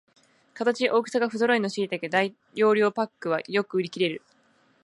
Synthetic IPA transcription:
kat̪at͡ɕiʔo̞ːkɯ̟saɡaɸɯzo̞ɾo̞ino̞ɕiit̪ake̞d̪ai | jo̞ːɾʲo̞ːpakːɯ̟β̞a̰jo̞kɯ̟ɯ̟ɾʲikʲiɾe̞ɾɯ̟

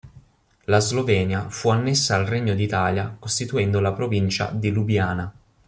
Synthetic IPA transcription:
lazlovɛːnjafuanːesːaːlreɲːod̪it̪aːljakost̪it̪uɛnd̪olapɾovint͡ʃa̰d̪ilubjaːna

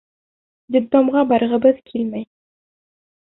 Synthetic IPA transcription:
d̪ʲibt̪omʁɑbɑɾɤ̆ʁɤ̆bɤðkʰilmæj

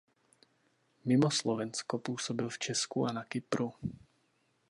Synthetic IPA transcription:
mimɔslɔʋɛnskɔpuːsɔbilft͡ʃɛskuanakipɾu

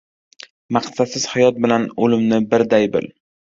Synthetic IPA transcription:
maqsasɪz̥hajɒt̪̚bɪlanolɪmnɪbɪɾd̪ajbɪ̰l

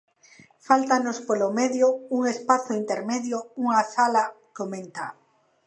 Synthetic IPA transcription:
falt̪anospolomeðjouŋespaθoint̪eɾmeðjouŋasala | komẽnt̪a

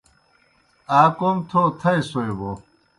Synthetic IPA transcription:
aːkomt̪ʰot̪ʰɐjsoebo

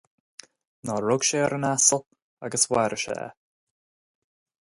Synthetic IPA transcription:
nɔɹʊɡ̥ʃɛːəɾənasəlˠ | aɡəswɛɾəʃɛ̰ː

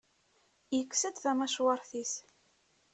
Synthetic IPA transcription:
jəkːsəd̪θæmæʃwɑɾˤθis

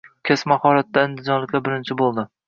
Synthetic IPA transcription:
kʲʰesmahɒɾat̪ːaɪnd̪ɪd͡ʒɒnlɪkʲlaɾbɪɾɪnt͡ʃʰɪbolˠd̪ɪ

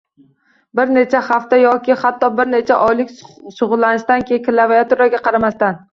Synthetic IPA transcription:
bɪɾne̞t͡ʃʰahaft̪ajɒkʲɪhat̪ʰːɒbɪɾnet͡ʃʰaʔɒjlɪkʲʃʊʁʊlˠːanɪʃt̪ankʲʰeɪkʲɪlavajat̪ʊɾaɡʲaqʰɑɾamast̪an

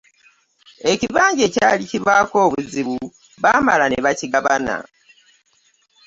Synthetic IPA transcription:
e̞ciβaːɲɟe̞caːliciβaːko̞ːβuziβu | βaːmalaneβaciɡaβana̰

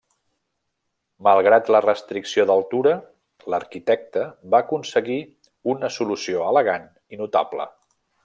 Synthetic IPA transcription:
məlˠɣɾat̪lərəst̪ɾiksioðəlˠt̪uɾə | ləɾkit̪ɛk̚t̪əβaːkunsəɣi | unəsulusioələɣan | inut̪a̰blə̰

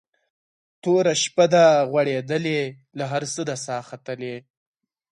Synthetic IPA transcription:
t̪oɾaʃpad̪aɣwaɽed̪əle | laɦaɾsəd̪asɑːxat̪əle

